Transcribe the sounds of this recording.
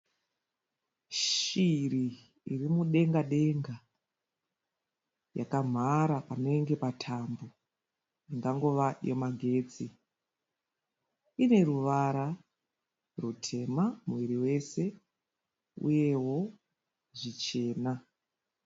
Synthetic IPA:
ʃiriː | rimuɗe̞ŋɡaɗe̞ŋɡa | ja̰kam̤ʱaɾapano̞eŋɡe̞patʰambo | iŋɡaŋɡo̞ʋajomaɡʱe̞ːd͡zi | ine̞ɾuʋaɾa | rutʰe̞mamuʋiɾiwe̞se̞ | ṵje̞wo̞ | ʐit͡ʃe̞ːna

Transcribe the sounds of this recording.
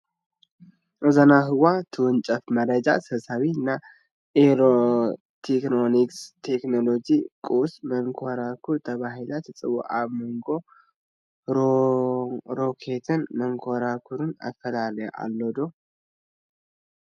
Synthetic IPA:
ʔɨzanaɦɨwat̪ʰɨwʊnt͡ʃʼɐfmɐɾəd͡ʒa̰sɨβsawiɨnːa | ʔeɾo | t̪ʰeknonikst̪ʰekno̞lo̞d͡ʒikʼusməŋkʰoɾakʰut̪ʰəβaɦilat̪ʰɨsʼɨ̰βo̰ʔaβmoŋɡo̞ | ɾo̞kʰet̪ʰɨnməŋkʰoɾakʰuɾɨna̰fəlaləj̰ʔa̰lːod̪o

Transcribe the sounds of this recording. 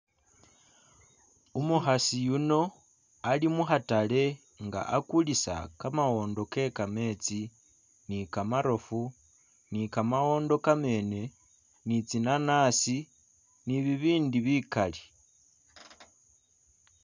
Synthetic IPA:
umuxasijuno̞ | alimuxatale̞ | ŋɡa̰ʔakulisa̰kamawo̞ːndo̞ke̞kame̞t͡si | nikamaɾo̞fu | nikamawo̞ːndo̞kame̞ːne̞ | nit͡sinanaːsi | niβiβiːndiβikali

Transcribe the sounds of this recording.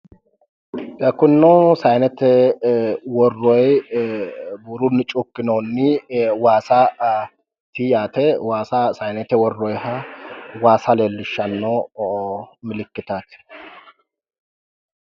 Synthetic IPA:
ʔɛkːʊnːɔsɐjnɛt̪ɛ | wɔrːɔj | bʊɾʊnːɪt͡ʃʼʊkːɪnonːɪwaːsa | t̪ijaːt̪ɛwaːsasɐjnɛt̪ɛwɔrːɔjhɐwaːsɐleːlːɪʃːɐnːo | mɪlɪkːɪt̪at̪

